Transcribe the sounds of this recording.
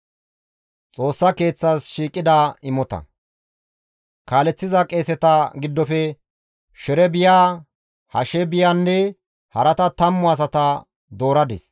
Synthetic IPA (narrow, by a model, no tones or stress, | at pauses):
t͡sʼo̞ːsːɐke̞ːt͡sːaːsʃiːkʼːɪd̪aːɪmɔt̪ɐ̰ | kaːlɛt͡sːɪzɐkʼe̞ːsɛt̪ɐɡɪd̪ːɔfɛ | ʃɛɾɛbɪjaː | hɐ̰ʃɛbɪjanːɛ | hɐɾɐt̪ɐt̪ɐmːʊɐs̬ɐt̪ɐ | d̪o̞ːɾɐd̪ɪ̰s